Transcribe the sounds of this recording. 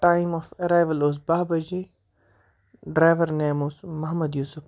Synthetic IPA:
ʈaːĩmɔfɐɾaːjʋəloːsbaːbɐd͡ʒe | ɖɾaːjʋəɾneːmoːsmɐɦmɐd̪juːsʊf

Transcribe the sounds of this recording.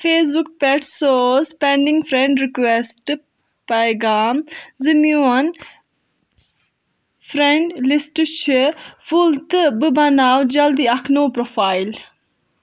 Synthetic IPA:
fʰeːsbukpeʈsoːspẽɳɖĩŋɡfɾẽɳɖɾikʋesʈ | pɐjɡaːmzimjuɐn | fɾẽɳɖlisʈt͡ʃʰifult̪ɨbɨbɐnaːwd͡ʒɐld̪iɐkʰnoːpɾofaːil

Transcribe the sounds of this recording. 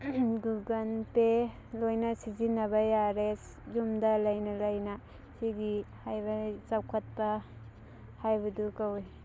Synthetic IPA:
ɡuɡanpe | lojnasizinabajaɾes | zumdalajnalajna | siɡihajbat͡ʃawkʰat̚pa | hajbadukawe

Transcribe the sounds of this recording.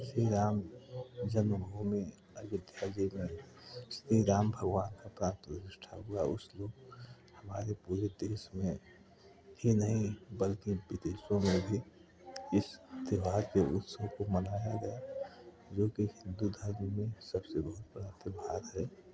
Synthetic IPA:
siɾaːmd͡ʒənəbʱumi | əʋɪd̪ʱjaːd͡ʒimẽ | st̪iɾaːmbʱəɡʋaːnkapɾãːnt̪ɾəd͡ʒɪʃʈʰaɦʊaʊsloːɡ | həmaːɾepuːɾed̪eːʃmẽ | hinəɦĩbəlkiʋɪd̪eːʃõmẽbʱi | ɪst̪ɪʋaːd̪keʔʊt̪sokomənaːjaɡɐe | d͡ʒoːkihɪ̃nd̪ud̪ʱəɾmimẽsəbsebəɦʊt̪̚bəɾat̪ɪbaːd̪ɦɛː

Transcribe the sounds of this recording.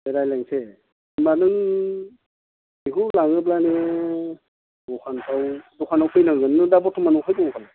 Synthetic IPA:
beɾajlaŋse | manɯŋ | iɦulaŋɯb̬lane | bɔkʰantʰawdɔkʰanawkʰɯjlɯŋɡɯnɯdabɔtʰɔmanɯkʰajtɔŋkʰala

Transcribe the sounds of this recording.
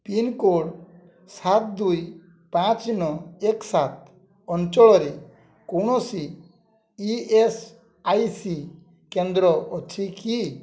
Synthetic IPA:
pinkoɽ | sat̪̚d̪uj | pãt͡ʃnɔeksat̪̚ | ɔnt͡ʃɔɭɔɾe | kowɽ̃ɔsi | ies | ajsi | kend̪ɾɔɔt͡ʃʰiki

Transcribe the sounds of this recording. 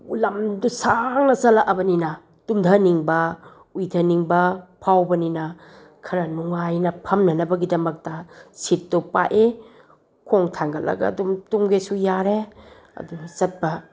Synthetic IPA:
ulɐmdusaŋnɐzɐlaʔɐbɐninɐ | tumdʰɐniŋbɐ | ujdʰɐniŋbɐpʰawbɐninɐ | kʰɐɾɐnuŋajnɐpʰɐmnɐnɐbɐɡidɐmɐk̚tɐsit̚topa̰ʔe | kʰoŋtʰaŋɡɐlɐ̰ɡɐ̰dumtuŋɡesujaɾe | ɐ̰duzɐt̚bɐ

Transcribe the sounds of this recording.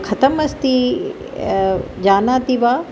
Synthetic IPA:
kʰɐt̪əmɐst̪i | d͡ʑaːnaːt̪iʋaː

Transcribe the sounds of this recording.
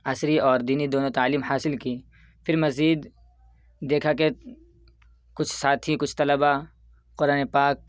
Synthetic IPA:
ɐsɾiɔːɾd̪iːnid̪oːnot̪aːliːmhaːsɪlki | pʰɪɾmɐziːd̪ː | eːkʰake | kʊt͡ʃʰsaːt̪ʰikʊt͡ʃʰt̪ɐləba | qʊɾaːnepaːk̚

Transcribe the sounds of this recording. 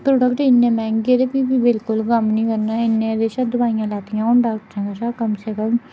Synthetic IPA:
pɾoːɖəkʈɪnːẽːmɛ̃ːŋɡɡed̪eːpiːbiːbɪlkʊlkəmnĩːkəɾnaːɪnːẽːd̪eːʃaːd̪ʊbaːijãːlaːt̪ɪjãːʊɳɖaːkʈsɛ̃ːŋɡəsaːkəmseːkəm

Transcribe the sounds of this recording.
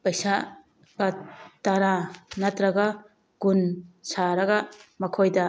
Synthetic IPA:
pɐjsa | bɐtɐɾanɐtɾɐɡɐ | ɡ̥unsaɾɐɡɐmɐkʰojdɐ

